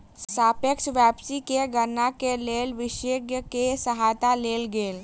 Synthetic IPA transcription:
saːpeksʋɛːpsikeɡəɾnakeleːlʋɪʃeːɡjəkesəɦaːt̪aleːlɡeːl

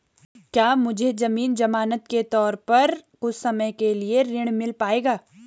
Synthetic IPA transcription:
kjaːmʊd͡ʒʱed͡ʒɐmiːnd͡ʒɐmaːnət̪ket̪ɔːɾpɐɾ | ʊssɐməjkelieɾɪɽ̃mɪlpaːeːɡaː

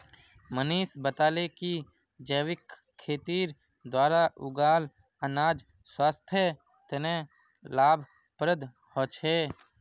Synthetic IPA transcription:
məniːsbət̪aːleki | d͡ʒəːwɪkʰː | eːt̪iːɾ | d̪waːɾaʔʊɡaːl | ənaːd͡ʒ | swaːst̪ʰjə | t̪ɪnẽ | laːbʱ | pɾəd̪ | hoːt͡ʃʰeː

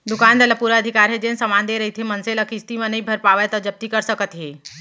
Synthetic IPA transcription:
d̪ukand̪eləpuɾəəd̪ʱikaɾɦed͡ʒensəmand̪eɾəɦit̪ʰemənseləkist̪imenəibʱəɾpaʋət̪ɔd͡ʒəb̚t̪ikəɾsəkət̪ɦe

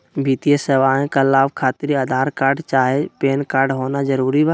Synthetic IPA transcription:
bit̪ijəseʋaːẽkalaːʋkʰaːt̪ɪɾiəd̪ʱaːɾkaːɾɖt͡ʃaːɦepeːnkaːɾɖɦoːnad͡ʒəɾuːɾibaː

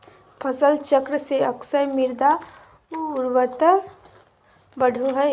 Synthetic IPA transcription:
pʰəsəlt͡ʃəkɾəseɐksəjmɪɾd̪a | ʊɾwət̪ə | bəɖʱoɦɛ

